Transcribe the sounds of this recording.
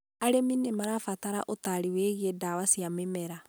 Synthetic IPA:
aɾeminemaɾafataɾa̰ʔotaɾiweːɣedawasjamemɛɾa

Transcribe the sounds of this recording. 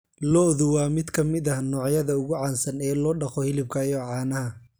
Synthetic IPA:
lɔðʊwɑːmɪd̪kʰɐmɪdɐhnɔːʕjɐðɐʊɣʊʕɑːnsɐnɛːlɔːɖɑχɔhɪlɪb̚kʰɐjɔːʕɑːnɐhɐ

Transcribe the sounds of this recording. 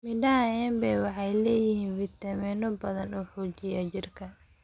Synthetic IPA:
mɪɖɐaɛmbɛːwɑħɑjlɛːjɪhiːnfɪt̪ɐmɛnɔbɐðɐnuːħuːt͡ʃɪjɐt͡ʃɪrkʰɐ

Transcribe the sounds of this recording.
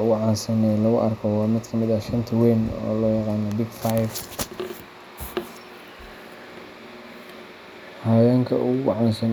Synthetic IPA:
ʊʕɑːnsɐnɛlɐɣʊʔɐrkʰɔwɑːmɪd̪kʰɐmɪðɐʃɐnt̪ʰɐwɛːnɔ̰ːlɔːjɑqɑːnɔbɪɡfajf | hɐːjaːŋkʰɐʔuɡʕɑːnsɐn

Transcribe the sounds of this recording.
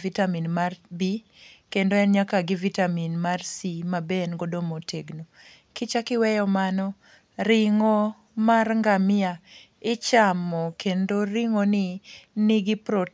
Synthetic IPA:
vitaminmarbi | kendoɛnɲakaɡɪvitaminmarsimabenɡodomotʰeɡno | kɪt͡ʃakɪwɛjɔmanɔ | ɾɪŋo | marŋɡamɪa | ɪt͡ʃamɔkʰendoɾiŋonɪnɪɡɪpɾɔ

